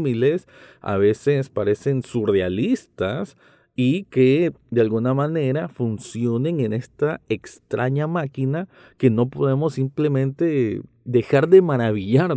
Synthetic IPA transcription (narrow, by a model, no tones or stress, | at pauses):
mile̞s | a̰β̞e̞se̞spaɾe̞se̞nsure̞alist̪as | ike̞d̪ealɣunamane̞ɾafunsjo̞ne̞ŋe̞ne̞st̪aekst̪ɾʔa̰ɲamakina | ke̞no̞po̞ðe̞mo̞sːimple̞mẽ̞nt̪e̞ | d̪e̞xaɾðe̞maɾaβiʝaɾ